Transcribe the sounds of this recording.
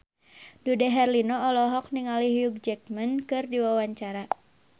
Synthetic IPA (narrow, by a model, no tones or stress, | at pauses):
dudɛɦɛrlinɔɔlɔɦɔk̚niŋalihjuɡ̚d͡ʒɛk̚mənkɨrdiwawaɲt͡ʃaɾa